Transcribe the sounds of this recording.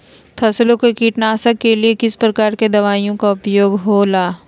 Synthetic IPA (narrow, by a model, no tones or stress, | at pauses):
pʰɐslõkekiːʈnaːsəkeliekɪspɾɐkaːɾked̪ɐʋaːijõkaʊpjoːɡɦoːlaː